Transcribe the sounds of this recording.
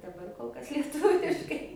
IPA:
dɐˈbɐr koːlˠ ˈkɐs lʲiɛˈtʊʋʲɪʃkɐɪ

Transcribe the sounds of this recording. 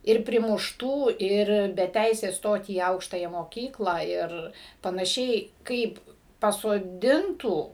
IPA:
ˈɪr pʲrʲɪmʊʃˈtuː ˈɪr bʲɛ ˈtʲɛɪsʲeːs ˈstoːt iː ˈɐʊkʃtɐjæː moːˈkʲiːklˠɑː ˈɪr pɐnɐˈʃʲɛɪ ˈkɐɪp pɐsoːˈdʲɪntuː

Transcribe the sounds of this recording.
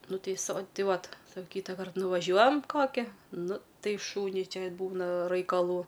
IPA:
ˈnʊ ˈtɐɪ soː ˈtɐɪ ˈʋɐt sɐ ˈkʲiːtɐkɐrt nʊʋɐˈʒʲuɔjɛm ˈkoːkʲɪ ˈnʊ ˈtɐɪ ˈʃuːnʲʊɪ ˈt͡ʃʲɛ ˈbuːnɐ rɐɪkɐˈlˠuː

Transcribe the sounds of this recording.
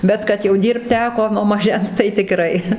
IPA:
bʲɛt kɐt jɛʊ ˈdʲiːrpt ˈtʲæːkoː nuɔ mɐˈʒʲɛns tɐɪ tʲɪˈkrɐɪ

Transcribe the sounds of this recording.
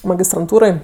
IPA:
mɐɡʲɪstrɐnˈtuːroːj

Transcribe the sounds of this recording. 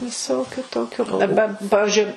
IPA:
ʋʲɪˈsoːkʲʊ ˈtoːkʲʊ ɐˈbɐ ˈpɑːʋʲɪʒʲʊɪ

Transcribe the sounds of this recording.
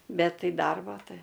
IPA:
ˈbʲɛt ˈtɐɪ ˈdɐrboː ˈtɐɪ

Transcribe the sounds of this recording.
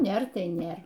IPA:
ˈnʲeːr ˈtɐɪ ˈnʲeːr

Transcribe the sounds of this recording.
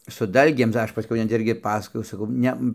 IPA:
sʊ ˈdɐlʲɡʲeːm tɐɪ ˈɐʃ pɐˈsʲkʲɛʊ nʲɛt ˈɪrʲɡʲɪ ˈpɑːsɐkoːjɛʊ ˈsɑːkɐʊ ˈnʲɛ

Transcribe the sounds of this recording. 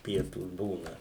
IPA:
ˈpʲiɛtuːs ˈbuːnɐ

